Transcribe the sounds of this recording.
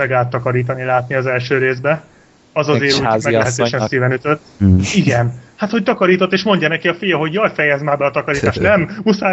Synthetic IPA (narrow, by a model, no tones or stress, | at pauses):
ɛɡaːt̪ːɒkɒɾiːt̪ɒnilaːt̪niɒzɛlʃøːɾeːzbɛ | ɒzɒzeːɾumɛɡlɛɦɛt̪øːʃɛnsiːvɛnyt̪øt̪ːiɡɛnhaːt̪ho̞c̚t̪ɒkɒɾiːt̪ot̪ːeːʃmo̞ɲɟɒnɛkiɒfijɒɦo̞ɟjɒlfɛjɛzmaːrbɛɒt̪ɒkɒɾiːt̪aːʃtnɛmusa